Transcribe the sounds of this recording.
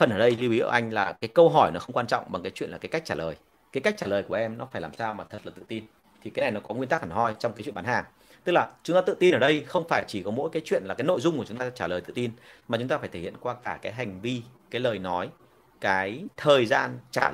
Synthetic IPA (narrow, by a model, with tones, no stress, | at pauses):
fə˨˩nʔəː˧˩ɗə˧jzi˧wi˨˦ʔəː˧˩ʔa˧jŋ̟laː˨˩kaː˨˦jkə˧wɦɔ˧˩jnɔ˨˦xə˧wŋ͡mkwaː˧nt͡ɕɔ̰˧˨wŋ͡mɓa˨˩ŋkaː˨˦jt͡ɕwḭ˧˨laː˨˩aː˨˦jka˦˥jk̚t͡ɕaː˧˩ləː˨˩j | kaː˨˦jka˦˥k̟̚t͡ɕaː˧˩ləː˨˩jku˩əʔɛ˧mnɔ˨˦faː˧˩jlaː˨˩msaː˧wmaː˨˩t̪ʰə˨˩t̚laː˨˩t̪ɨ̰˧˨t̪i˧n | t̪ʰi˨˩kaː˨˦jna˨˩jnɔ˨˦kɔ˨˦ŋwi˧nt̪aː˦˥k̚ʔaː˨˩hɔ˧jt͡ɕɔ˧wŋ͡mkaː˨˦t͡ɕwi˧˨ə˨ɓa˨˦nhaː˨˩ŋ | t̪ɨ˦˥k̚laː˨˩t͡ɕʊ˨˦ŋ͡mt̪aː˧ɨ̰˧˨t̪i˧nʔəː˧˩ɗə˧jxə˧wŋ͡mfaː˧˩jt͡ɕi˧˩kɔ˨˦mo̰˧˥jkaː˨˦jt͡ɕwḭ˧˨ənlaː˨˩kaː˨˦jno̰˧˨jzʊ˧ŋ͡mku˧˩t͡ɕʊ˨˦ŋ͡mt̪aː˧t͡ɕaː˧˩ləː˨˩jt̪ɨ̰˧˨t̪i˧nma˨˩t͡ɕʊ˨˦ŋ͡m̪aː˧faː˧˩jt̪ʰe˧˩ḭ˧˨ənkwaː˧kaː˧˩kaː˨˦jɦa˨˩jŋ̟vi˧kaː˨˦jləː˨˩jnɔ˨˦j | kaː˨˦jt̪ʰəː˨˩jzaː˧nt͡ɕa̰ː˧˩